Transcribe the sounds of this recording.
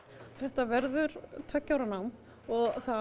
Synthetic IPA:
θɛht̪avɛɾðʏɾt̪ʰœcːawɾanawm | ɔɣθa

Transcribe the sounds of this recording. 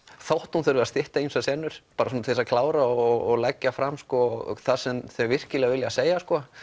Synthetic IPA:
θawht̪hunθœɾvɪast̪ɪht̪ainsasɛnːʏɾ̥paːɾasɔnt̪ʰeðsakʰlaːwɾaɔɔɣlɛcːafɾamskɔ̰θasɛmθœvɪr̥cɪlɛɣavɪljaseːjaskɔ

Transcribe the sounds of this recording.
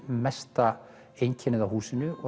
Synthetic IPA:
mɛst̪a | ejɲcʰɛnɪðawhuːsɪnːʏɔ

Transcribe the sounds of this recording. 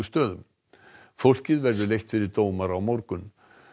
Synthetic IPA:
ʏst̪œːðʏm | fowl̥cɪðvɛɾðʏlejht̪fɪɾɪɾt̪oːwmaɾawmɔwɾkʏn

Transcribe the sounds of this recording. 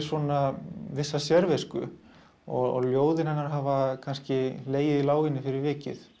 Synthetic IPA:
sɔnavɪsːasjɛɾveskʏ | ɔɔɣljoːwðɪnɦhanːaɾɦaːvakʰanscɪleːjɪðilaːwɣɪnːɪfɪɾɪɾvɪːcɪ̰θ

